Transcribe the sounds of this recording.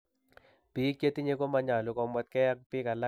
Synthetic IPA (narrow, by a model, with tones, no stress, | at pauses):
pi˨˦kje˦ti˦ɲe˦ko˦ma˦ɲa˨lʊ˨kɔ˨mwɛ˦t̪̚kɛ˦ja˦k̚pɪ˦ka˨la˦